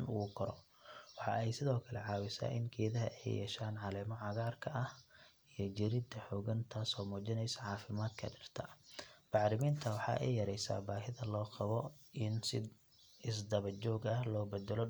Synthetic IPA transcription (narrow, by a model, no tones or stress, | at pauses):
nʊkʰɔɾɔ | wɑħɑ̰ʔɛjsɪðɔːkʰɐlɛʕɑːwɪsa̰ːʔɪ̰nkʰɛːðɐɦɐ̰ʔɛ̰jjɛ̰ːʃaːnʕɑlɛːmɔʕɑɣaːrkʰɐʔɐh | ijɞd͡ʒɪɾɪd̪ɐħɔːɣɐnt̪ʰaːsɔːmuːt͡ʃɪnɛjsɐʕɑːfɪmaːd̪kʰɐ̰ɖɪrt̪ʰɐb̥ɑʕɾɪmiːnt̪ʰɐwɑħɑ̰ːʔɛ̰jjɐɾɛjsa̰ːbaːɦɪðɐlɔːqɑβɔʔɪnsɪd | ɪsd̪ɐβɐt͡ʃɔːɡɐhlɔːbɛd̪ɛlɔ